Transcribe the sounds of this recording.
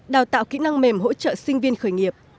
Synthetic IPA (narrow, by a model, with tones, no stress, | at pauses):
ɗaː˨˩wt̪a̰ː˧˨wkḭ˧˥na˧ŋme˨˩mɦo̰˧˥t͡ɕə̰ː˧˨sï˧ŋ̟vi˧ənxəː˧˩jŋi˨˩əp̚